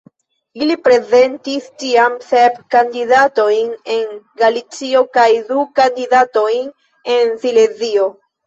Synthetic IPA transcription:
ilipɾe̞ze̞ntistiamsepkandiðato̞jne̞ŋɡalit͡sio̞kajdukandidato̞jn | e̞nsilezio̞

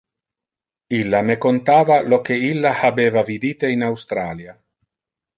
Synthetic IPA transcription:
ilːamekont̪aːvalokeilːahabeːvavid̪iːt̪einawst̪ɾaːlja

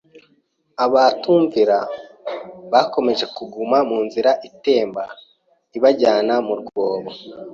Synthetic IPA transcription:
aβatuːɱviɾa | βako̞me̞ʒe̞kuɡumamuːnziɾaʔite̞ːmba | iβaɟaːnamuɾɡoːβo

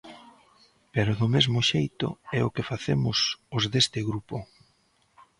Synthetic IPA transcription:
peɾʊðʊmezmʊʃejt̪ʊ̰ɛʊkɪfaθemʊsʊzðest̪ɪɣɾupʊ

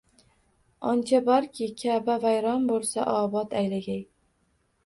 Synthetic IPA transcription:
ɒnt͡ʃʰabɒɾkʲʰɪkʲʰabavajɾɒnbolˠsaʔɒbɒt̪ʰajlaɡʲaj

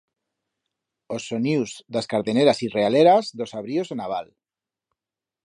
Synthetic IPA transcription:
osːoniwzd̪askaɾðeneɾasirealeɾazðosaβɾiozenaβ̞al

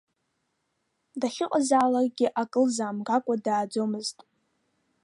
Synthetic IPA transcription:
daχʲɪqʼazaːlarʼɡʲɪʔakʼɨlzaːmɡakʷʼadaːd͡zo̞mɨztʼ

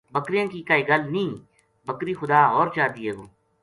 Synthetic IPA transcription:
bəkɾijãːkiːkaːiːɡəlnĩː | bəkɾiːxʊd̪aːɦɔːɾt͡ʃaːt̪iːɦɛːɡoː

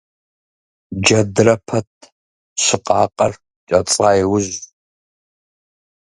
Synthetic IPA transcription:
d͡ʒɐdrɐpʰɐt̚ʰ | ɕɪqʼɑ̰ːqʼɐr | t͡ʃʼɐt͡sʼaːjwʊʑ

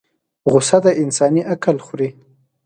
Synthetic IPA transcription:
ɣʊsad̪aʔɪnsɑniʔakalxɾi

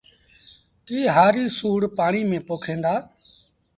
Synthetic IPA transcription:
kiːɦaːɾiːsuːɽpaːɳiːmẽːpoːkʰẽːnd̪aː

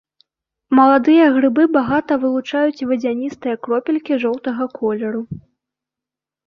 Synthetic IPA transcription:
mɐlˠad̪ɨjɐɣɾɨbɨbaɣat̪ɐvɨlˠut͡ʂajut͡sʲvɐd͡zʲanʲist̪ɨjɐkɾɔpʲilʲkʲiʐɔwt̪ɐɣɐkʰɔlʲɛɾu

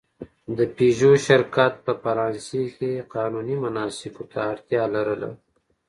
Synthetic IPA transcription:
d̪əpiʒoʃɪɾkat̪̚pəfɐɾɑːnsekeqɑːnunimʊnɑsɪkot̪ʰaːɾt̪jɑːlaɾəla̰

